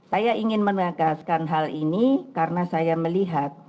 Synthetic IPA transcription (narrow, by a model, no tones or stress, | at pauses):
sajaiŋɪnmənəɡaskanɦalinikarənasajaməliɦat̪̚